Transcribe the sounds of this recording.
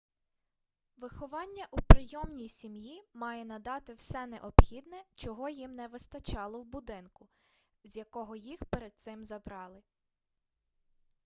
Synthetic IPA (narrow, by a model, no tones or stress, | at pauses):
ʋɪxɔʋɑnʲːɐʔupɾɪjɔmnʲijsʲimjimɑjɛn̪ɐd̪ɑt̪ɪwsɛnɛ̰ʔɔbxʲid̪nɛt͡ʃɔɦɔjimnɛʋɪst̪ɐt͡ʃɑlˠɔwbʊd̪ɪnkʊ | zʲjɐkɔɦɔjixpeɾed̪̚t̪sɪmzɐbɾɑlˠɪ